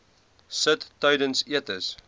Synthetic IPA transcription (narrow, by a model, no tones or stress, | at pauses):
sətːœɥdənsiətəs